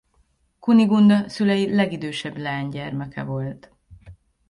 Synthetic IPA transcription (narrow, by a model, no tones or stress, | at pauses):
kuniɡund̪ɒsylɛjilɛɡid̪øːʃɛblɛːɲɟɛrmɛkɛ̰vo̞lt̪